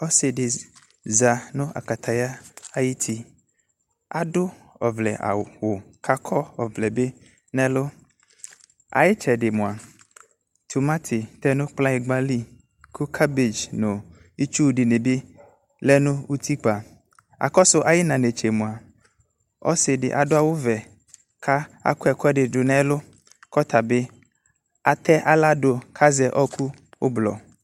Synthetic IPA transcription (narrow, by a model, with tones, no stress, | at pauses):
ɔ˦sɪ˨dɪ˨ | za˨nʊ̃˦a̰˨ka˨t̪ʰa˨ja˦a˦jɪ˦t̪ʰi˦ | a˨dʊ˦ | ɔ˨vlɛ˨ʔa̰˨wʊ˨kʰa˦kʰɔ˦ɔ˨vlɛ˨be˦ | nɛ̃˦lʊ˦ | a̰˨jɪ˦t͡ʃɛ˨ɖɪ˨mʊ̃˨a˨ | t̪ʰu˨mã˦t̪ʰɪ˨t̪ɛ˦nʊ̃˦k͡plã˦ɪ˨ɡ͡ba˦li˦ | kʰʊ˦kʰa˦be˨d͡ʒnʊ̃˨ | i˦t͡ʃu˦˨ɖɪ˨ne˨be˦ | lɛ˦nʊ̃˦wu˦t̪ʰi˦k͡pa˨ | a̰˨kɔ˦sʊ˦ʔa˨jɪ˦nã˨ne˨t͡ʃe˨mũ˨a˨ | ɔ̰˦sɪ˨dɪ̰˨ʔa˨dʊ˦a˨wo˦vɛ˨ | kʰa˦a̰˨kʊ˦ɛ˨kɔ˦ɛ˦ɖɪ˨dʊ˨nɛ̃˦lʊ˦ | kɔ˦t̪ʰa˨be˦ | a˨t̪ɛ˦ʔa˦la˦ɖo˨kʰa˦zɛ˨ʔɔ˦kʰu˦ | wo̰˦blɔ̰˨